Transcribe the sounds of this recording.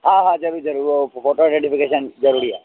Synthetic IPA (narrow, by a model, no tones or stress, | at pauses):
ɦãɦãd͡ʒəɾuɾid͡ʒəɾuɾopʰoʈoɖẽɳʈipʰikeʃənd͡ʒəɾuːɾiɛ̰